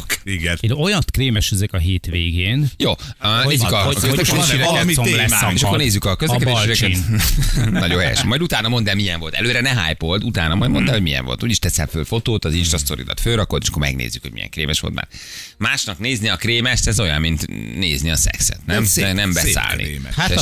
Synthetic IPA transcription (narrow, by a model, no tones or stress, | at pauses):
kiɡɛnojɒt̪kɾeːmɛʃyzɛkɒɦeːt̪ʋeːɡeːnjoːneːzːykkøzlɛɛd̪eːʃiɾɛɛoɛeːʃɒkorneːzːykɒkøzɛkɛdb̪eːʃiɾɛkɛ | nɒɟohɛjɛ̰ʃɛmːɒjd̪ut̪aːnɒmo̞nd̪ɛːmijɛɱvo̞lt̪ɛ̰løːɾɛnɛɦa̰ːjpolt̪ut̪aːnɒmɒjd̪mo̞nd̪ɛːlhoɟmijɛ̰ɱvolt̪uːɟiʃt̪ɛsɛlføːfo̞t̪oːt̪ɒzinʃtɾɒst̪o̞ɾḭd̪ɒ̰t̪føːɾɒkolt̪eːʃɒ̥kːɾmɛ̰ɡnḛːzːykhoɟmḭjɛ̰ŋkreːmɛʃʋolt̪ma̰ːr | maːʃnɒkneːzniɒkɾeːmɛʃt̪ɛzo̞jɒ̰mːmint̪nḛːzniɒsɛ̰ksɛ̰t̪nɛmnɛmbɛsa̰ːlnʔḭa